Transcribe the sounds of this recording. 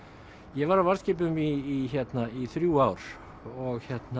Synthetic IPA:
jɛɣvaɾawvar̥scɪːp̬ʏmiːçɛt̪naiθɾjuawɾ̥ | ɔɣçɛt̪na

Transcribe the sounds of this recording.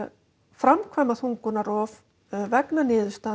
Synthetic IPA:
fɾamkʰvamaθuŋkʏnaɾɔv | vɛknanɪːðʏst̪a

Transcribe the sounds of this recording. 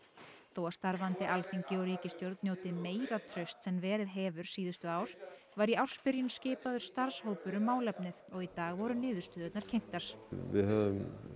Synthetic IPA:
θowast̪aɾvant̪ɪʔalfiɲcɪɔɾiːcɪst̪jowɾt̪njoːwt̪ɪmeːjɾat̪ʰɾœɥst̪sɛmvɛːɾɪðɦɛːvʏɾ̥siːðʏst̪ʏaːwɾ̥ | vaɾiaw̥spɪɾjʏnscɪːpaðʏɾ̥st̪aɾ̥shoːwpʏɾʏmːaːwlɛpnɪðɔɣit̪aːɣvɔɾʏnɪːðʏst̪ʏðœt̪naɾ̥cʰejŋ̥t̪aɾ̥vɪ̰ðɦɛvʏm

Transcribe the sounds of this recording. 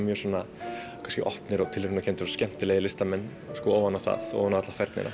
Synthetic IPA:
mjœɾsɔːna | kʰḁnscɪʔɔ̰hpnɪɾɔɣt̪ʰɪlɾʏnacʰɛnt̪ɪ̥sɔscɛm̥t̪ɪleːjɪlɪst̪amɛnː | skɔːoːwanːaθa̰ðo̰wanaðat̪lafɛɾt̪nɪ̰na̰

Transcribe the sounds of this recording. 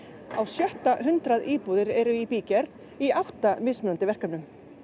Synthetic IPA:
awsjœht̪aɦʏnt̪ɾaðiːpuðɪɾɛɾʏipiːcɛɾð | iawht̪amɪsmʏnant̪ɪvɛr̥kamnʏm

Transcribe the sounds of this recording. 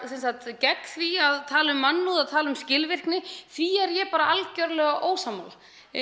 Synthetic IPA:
sɛnsat̪cɛkθviaðt̪ʰaːlʏmːanːuðaðt̪ʰaːlʏmscɪlvɪr̥knɪθviɛɾjɛpaːɾaalcœɾlɛɣaʔoːwsama̰l

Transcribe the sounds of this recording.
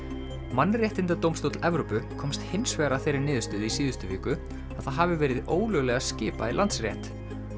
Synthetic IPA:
manːrjɛht̪ɪnt̪at̪owmst̪owt̪lɛvɾopʏkʰɔmst̪hensvɛːɾaθejɾɪɾnɪːðʏst̪ʏːðisiːðʏst̪ʏviːkʏ | aðθaðɦaːvɪvɛːɾɪðoːwlœɣlɛɣascɪːpa̰ilant̪srjɛht̪

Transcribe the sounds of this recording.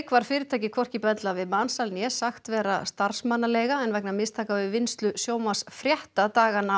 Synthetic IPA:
kvaɾ̥fɪːɾɪt̪ʰajcɪkʰvɔr̥cɪpɛnt̪lavɪðmaːnsalnjɛsaxt̪vɛːɾa̰st̪aɾ̥smanːalɛjɣaɛnvɛknamɪst̪ʰaːkavɪvɪnst̪lʏsjoːwmasfɾjɛht̪at̪aːɣana

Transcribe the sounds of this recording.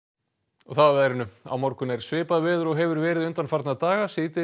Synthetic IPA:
ɔɣθaðavɛðɾɪnːʏa̰wmɔwɾkʏnɛɾ̥svɪːpaðvɛːðʏɾɔɣɦɛvʏɾvɛːɾɪðʏnt̪anfaɾt̪naðt̪aːɣasiːt̪ɪ

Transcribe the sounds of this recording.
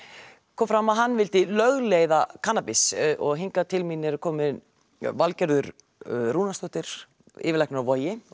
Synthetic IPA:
kʰɔːmfɾamaðɦanːvɪlt̪ɪlœɣleːjðakʰaːnːapɪsʔɔɣɦiŋkat̪ʰɪlmiːnɛɾʏɾkʰɔːmɪ | valcɛɾðʏɾ | ruːnast̪ɔht̪ɪɾ̥ | ɪ̰ːvɪlajknɾawvɔːjɪ

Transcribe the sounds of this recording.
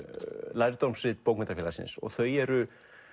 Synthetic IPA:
lajɾt̪ɔmsvɪt̪powknmɛnt̪afjɛlasɪ̰nsɔ̰ɣθœɥjɛɾʏ

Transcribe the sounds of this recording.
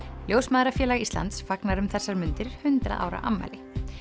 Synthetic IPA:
ljoːwsmaːðɾafjɛːlaɣist̪la̰nt̪sfaknaɾʏmθɛsːaɾmʏnt̪ɪɾ̥hʏnt̪ɾa̰ða̰ːwɾa̰ʔamːa̰jlɪ

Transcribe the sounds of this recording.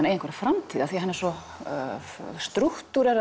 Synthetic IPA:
nejə̃ŋkvɛɾḁfɾamt̪ʰiːðaθiɦɛnːɛɾsɔ | st̪ɾuht̪uɾɛɾ

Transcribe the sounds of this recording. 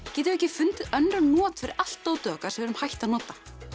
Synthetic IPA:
cɛːt̪ɪvɛcːɪfʏnt̪œnːɾʏnɔːt̪fɪɾɪɾal̥t̪ːowt̪œːkaɾ̥sɛvɛɾʏmhajht̪anɔːt̪ḁ

